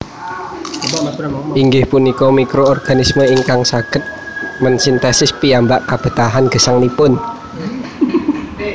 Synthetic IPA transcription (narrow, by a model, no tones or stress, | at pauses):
ʔiŋɡɪhpunikɔmikɾoɔrɡ̥a̤nisməiŋkaŋsaɡ̥ət̪̚ | mənsint̪ɛsɪspiambaʔkab̥ə̤t̪aɦanɡ̥ə̤saŋlipʊn